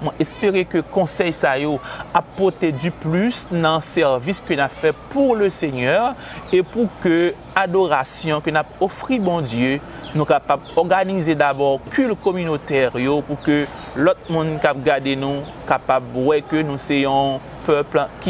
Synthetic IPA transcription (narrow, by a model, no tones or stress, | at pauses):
mwɛ̃ʔɛspeʁekøkɔ̃sɛjsajoapːɔt̪ed̪yplysnãsɛʁviskønafɛpuʁləseɲœʁ | epukø | ad̪oʁasjɔ̃kønap̚ofʁibɔ̃d̪jø | nũkapabɔʁɡanized̪abɔʁkʰylkɔmynot̪ɛʁjopukø | lot̪̚mũnkap̚ɡaʁd̪enũ | kapabwɛkønũsejɔ̃ | pøplkʲi